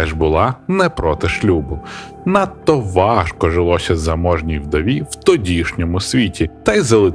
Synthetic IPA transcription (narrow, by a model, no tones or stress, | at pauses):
ɛʒbʊlˠɑnɛpɾɔt̪ɪʃlʲubʊ | nɑt̪ːɔʋɑʃkɔʒelˠɔsʲɐzɐmɔʒnʲijwd̪ɔʋʲiwt̪ɔdʲiʃnʲɔmʊsʲʋʲitʲit̪ɐjzɐlˠɪ